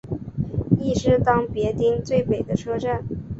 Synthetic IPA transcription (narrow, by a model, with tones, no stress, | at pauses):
i˥˩ʂɻ̩˥t̪ɑ˥ŋpjɛ˧˥t̪i˥ŋt͡swe˥˩ɪpe˨˩ɪd̪ə˦ʈ͡ʂʰɤ˥ʈ͡ʂa˥˩n